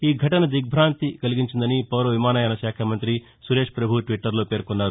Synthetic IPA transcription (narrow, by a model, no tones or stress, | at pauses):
iːɡʱɐʈɐnɐd̪iɡ̚bʱɾaːnt̪ikɐliɡiɲt͡ʃind̪ɐnipɐʋɾɐʋimaːnɐjanɐʃaːkʰɐmɐnt̪ɾi | suɾe̞ːʂpɾɐbʱuʈʋiʈːɐɾlo̞ːpe̞ːɾkunːaːɾu